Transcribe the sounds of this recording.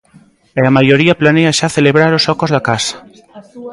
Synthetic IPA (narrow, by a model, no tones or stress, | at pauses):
eamajoɾiaplaneaʃaθeleβɾaɾosɔkozðakasḁ